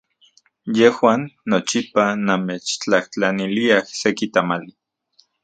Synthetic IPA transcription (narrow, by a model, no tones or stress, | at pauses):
jehwaːnːot͡ʃipanamet͡ʃt͡ɬaht͡ɬaniliahsekit̪amali